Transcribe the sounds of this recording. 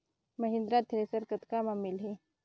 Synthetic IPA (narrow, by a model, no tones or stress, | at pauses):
mɐɦɪ̃nd̪ɾat̪ʰɪɾesəɾkət̪kamamːɪlɦe